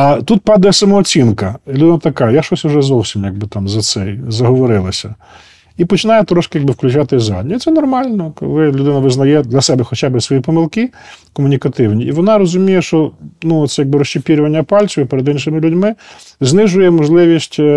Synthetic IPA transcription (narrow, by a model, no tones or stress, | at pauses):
ɐt̪ut̪̚pɑd̪ɐjɛsɐmɔːt͡sʲinkɐlʲʊd̪ɪnɐt̪ɐkajaʃɔsʲʊʒɛzɔwsʲimjɐɡ̚bɪt̪ɑmzɐsɛjzɐɦɔʋɔɾɪlˠɐsʲɐ | ipɔt͡ʃɪnɑjɛt̪ɾɔʃkɪjaɡbɪwklʲʊt͡ʃat̪ɪzɑ̰d̪ʲnʲɔit̪sɛnɔrmɑlʲnɔkɔ̰ɪlʲʊd̪ɪnɐʋɪznɐjɛd̪lʲɐsɛbɛxɔt͡ʃabɪsʋɔjipɔmɪlˠkɪkɔmʊnʲikɐt̪ɪwnʲiiʋɔnɑɾɔzʊmʲijɛʃt͡ʃɔnuɔt̪sɛjaɡ̚bɪɾɔʃt͡ʃɪpʲiɾʲʊʋɐnʲːɐpɑlʲt͡sʲʊɪpɛɾed̪ɪnʃɪmɪlʲʊdʲmɪ | znɪʒʊjɛmɔʒlˠɪʋʲisʲtʲ